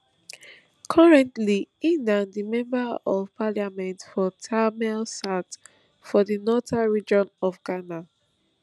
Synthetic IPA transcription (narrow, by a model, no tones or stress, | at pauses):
kʰɔɹɛ̃ntliĩndãndimɛ̃mbaɔvpʰalamɛ̃ntfɔtʰamɛlsat | fɔdinɔtaɹid͡ʒɔ̃nɔfɡana